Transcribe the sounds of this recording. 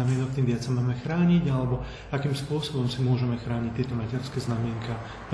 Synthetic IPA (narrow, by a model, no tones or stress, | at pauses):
amɪɛnɔk̚t̪iːmʋɪat͡samaːmɛxɾaːɲiɟalɛbɔ | akiːmspʊɔsɔbɔmsimʊɔʒɛmɛxɾaːɲict̪ɪɛt̪ɔmacɛɾskɛːznamɪɛŋkaː | p